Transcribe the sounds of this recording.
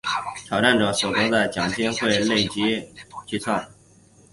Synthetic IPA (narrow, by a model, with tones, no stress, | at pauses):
ʈ͡ʂʰɑ˨˩ʊʈ͡ʂa˥˩nʈ͡ʂɤ˨˩so˨˩k̪ɔ˧˥d̪ə˧˩t͡ɕjɑ˨˩ŋt̪ʰjɛ˥nxwe˥˧ɪle˥˩ɪt͡ɕi˧˥t͡ɕy˥˧t͡sʰwa˥˩n